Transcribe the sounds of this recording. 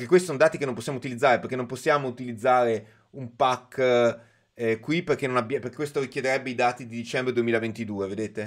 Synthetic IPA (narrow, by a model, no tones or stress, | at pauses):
pekekwest̪isonod̪aːt̪ikenːõmposːjamout̪ilid̪zːaːɾeperk̟enːõmposːjaːmout̪ilid̪zːaːɾe | umpakː | ɛkwiperkenonabːjaperke̥kwest̪oɾikjed̪eɾɛbːeid̪aːt̪id̪id̪it͡ʃɛmbɾed̪uemiːlavent̪id̪uːeved̪eːt̪e